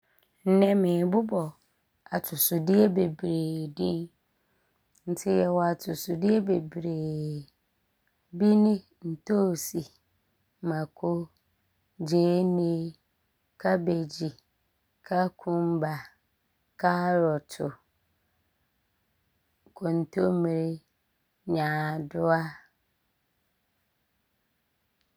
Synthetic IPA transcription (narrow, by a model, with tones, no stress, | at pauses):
n̩˦nɛ̃˨mɪ̃˨bʊ˦bɔ˨ | a˨tʰʊ˨sʊ˨dɪ˦ɛ˦be˨bɾeː˨dĩ˦n | n̩˦tʰɪ˦jɛ˨wɔ˨a˨tʰʊ˨sʊ˨dɪ˦ɛ˦be˨bɾeː˨ | bi˦nɪ̃˦ | n̩˨tʰo˦˨si˨ | mã˨kʰo˦ | d͡ʑeː˨˦nĩ˦ | kʰa˦be˨d͡ʑi˨ | kʰa˦kʰʊ̃˦m˦ba˨ | kʰa˦ɾɔ˨tʰʊ˨ | kʰo˨n̩˨tʰo˦mĩ˨ɾ | ɲãː˨dʊ˦a˦